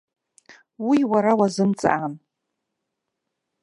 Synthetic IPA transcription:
wiwaɾawazɨmt͡sʼa̰ʔan

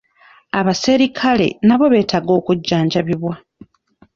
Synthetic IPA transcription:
aβase̞ɾikʰale̞̰naβo̞βe̞ːtʰaɡo̞ːkuɟːaːɲɟaβiβwa

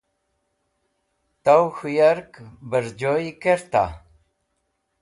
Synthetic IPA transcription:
t̪awxujaɾkbəɾd͡ʑoikeɾt̪a̰

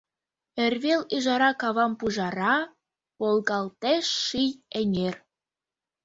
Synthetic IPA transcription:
erʲβeliʒɑɾɑkɑβɑmpuʒɑɾɑ | polˠɣɑlt̪eʃːijeŋʲer

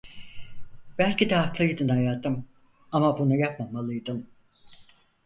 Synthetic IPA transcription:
b̥ælʲcid̪ɛɦaklˠɯjd̪ɯnhajaːt̪ɯm | amabunujapmamalˠɯjd̪ɯm

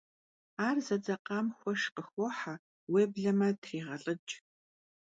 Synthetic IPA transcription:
aːrzɐd͡zɐqɑːmxʷɔʃqəxʷɔħa | weːbɮɐmɐtʰriːʁɐɬʼɨt͡ʃʼ

